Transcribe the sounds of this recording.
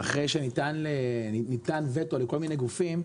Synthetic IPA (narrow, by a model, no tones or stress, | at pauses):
aχʁejʃenitanlenitanvetoleko̞lminejɡufim